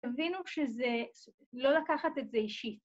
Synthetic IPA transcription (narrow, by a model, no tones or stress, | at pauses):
avinuʃeze | lo̞lakaχate̞tzeiʃit